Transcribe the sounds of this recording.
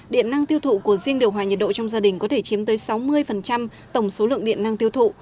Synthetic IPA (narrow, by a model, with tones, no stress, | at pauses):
ɗḭ˧˨əna˧ŋt̪i˧əwt̪ʰṵ˧˨ku˧˩əzi˧əŋɗi˨˩əwɦaː˨˩ɲə˨˩t̚ɗo̰˧˨t͡ɕɔ˧wŋ͡mzaː˧ɗï˨˩ŋ̟kɔ˨˦t̪ʰe˧˩t͡ɕi˨˦əmt̪əː˨˦jsa˨˦wmɨ˧əjfə˨˩nt͡ɕa˧m | t̪ə˧˩wŋ͡mso˨˦lɨ̰˧˨əŋɗḭ˧˨ənːa˧ŋt̪i˧əwt̪ʰṵ˧˨